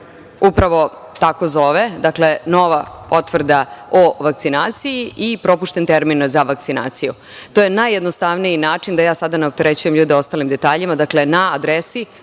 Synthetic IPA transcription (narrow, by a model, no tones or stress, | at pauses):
upɾaʋo̞ | t̪ako̞zo̞ʋed̪akle̞no̞ʋapo̞t̪ʋr̩d̪aoʋak̚t̪sinaːt̪sijiʔipɾo̞puʃt̪e̞nt̪eɾminzaʋakt̪sina̰ːt̪siju | t̪o̞ːje̞najːed̪nost̪aʋnijinaːt͡ʂind̪ajaːsad̪aneop̚t̪e̞ɾet͡ɕuje̞mʎuːd̪eo̞st̪alimd̪e̞t̪aːʎimad̪akle̞naad̪ɾesi